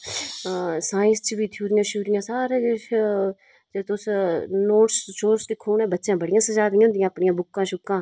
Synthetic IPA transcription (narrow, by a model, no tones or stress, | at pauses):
saːɪ̃nst͡ʃbiːt̪ʰjuːɾɪjãːʃuːɾɪjãːsaːɾẽːd͡ʒe | d͡ʒet̪ʊsnoːʈsʃoːɾsd̪ɪkʰːoːnɛ̃ːbətːʃjãːbəɽɪjãːsəd͡ʒaːd̪ɪjãɦʊnd̪ijãːpɳɪjãːbʊkːãːʃʊkːãː